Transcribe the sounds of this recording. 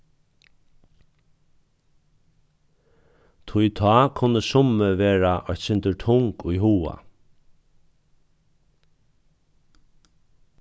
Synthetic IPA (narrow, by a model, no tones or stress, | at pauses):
t̪ʰʊjt̪ʰɑːkʰʊnːəsʊməʋeːɹaʔɔɥt̪sɪnt̪əʈʰʊŋkʊjɦuːa̰